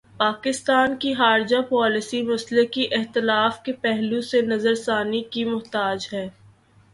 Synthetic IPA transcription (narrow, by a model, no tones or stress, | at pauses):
paːkɪst̪aːnkixaːɾd͡ʒapɔːlɪsimɐslekiʔɪxt̪ɪlaːfkepɛɦlusenɐzəɾsaːnikimʊɦt̪aːd͡ʒɦɛː